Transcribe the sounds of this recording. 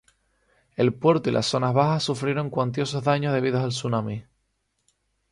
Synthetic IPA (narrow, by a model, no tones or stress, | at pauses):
e̞lpwe̞ɾt̪oilʔa̰sːo̞nazβahasːufɾjeɾõ̞ŋkwant̪̬jo̞so̞ɦðaɲoðe̞βiðosalsunãmi